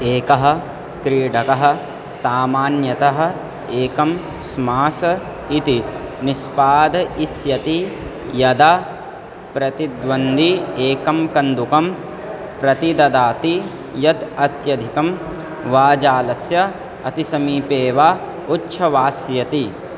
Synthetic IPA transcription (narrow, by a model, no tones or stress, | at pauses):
eːkɐɦɐ̆ | kɾiːɖɐkɐɦɐ̆ | saːmaːnjɐt̪ɐɦɐ̆ | eːkɐm | smaːsɐ | it̪inispaːd̪ɐisjɐt̪i | jɐd̪aː | pɾɐt̪id̪ʋɐnd̪ieːkɐmkɐnd̪ukɐm | pɾɐt̪id̪ɐd̪aːt̪i | jɐd̪ɐt̪jɐd̪ʱikɐm | ʋaːd͡ʒaːlɐsjɐ | ɐt̪isɐmiːpeːʋaː | utːʃʰɐʋaːsjɐt̪i